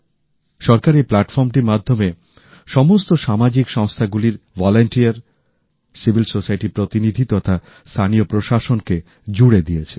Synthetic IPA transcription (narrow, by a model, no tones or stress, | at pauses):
ʃɔɾkaɾiplaʈfɔɾmʈiɾmad̪ʱːome | ʃɔmost̪oʃamad͡ʑikʃɔŋst̪ʰaɡuliɾvɔlaɳʈiaɾ | sibʱilsosajʈipɾot̪inid̪ʱit̪ɔt̪ʰa | st̪ʰaniopɾoʃaʃonke | d͡ʑuɽed̪ijet͡ɕʰe